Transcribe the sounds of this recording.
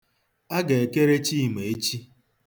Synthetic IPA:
a˦ɡe˨e˨ke˦ɾe˦t͡ʃi˦˨me˨e˦t͡ʃi˦

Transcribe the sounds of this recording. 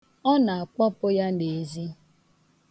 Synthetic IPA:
ɔ˦na˨a˨kʷɔ˦pʊ˦ja˦ne˨e˨zi˦

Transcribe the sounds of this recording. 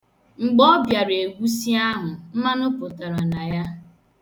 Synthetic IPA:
ŋ͡m̩˨ɡ͡bɔ˦bja˨ɾe˨ɡʷu˦si˦a˦ɦʊ˨m̩˦ma˦nʊ˦pʊ˨ta˨ɾa˨na˨ja˦

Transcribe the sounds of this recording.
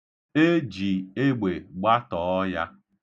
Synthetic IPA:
e˦d͡ʒi˨e˦ɡ͡be˨ɡ͡ba˦tɔː˨ɔ˦ja̰˦

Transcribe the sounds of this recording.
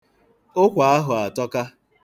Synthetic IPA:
ʊ˦kʷa˨a˦ɦʊ˨a˨tɔ˦ka˦

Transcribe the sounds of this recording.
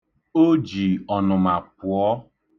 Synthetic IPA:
o˦d͡ʒi˨ɔ˨nʊ˨ma˨pʊ˨ɔ˦

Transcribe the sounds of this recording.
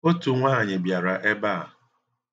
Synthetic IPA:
o˦tu˨ŋʷaː˦˨ɲɪ˨bja˨ɾa˨ʔe˦ba̰˦˨

